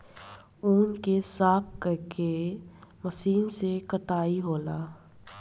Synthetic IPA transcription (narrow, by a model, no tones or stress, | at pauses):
uːnkesaːp̚kəɾkeməsiːnsekəʈaːiɦoːlaː